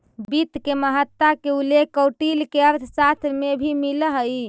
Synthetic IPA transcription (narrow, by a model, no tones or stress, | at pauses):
bit̪keməɦət̪ːakeulekːəwʈilkeəɾt̪ʰsat̪ʰmebʱimiləɦə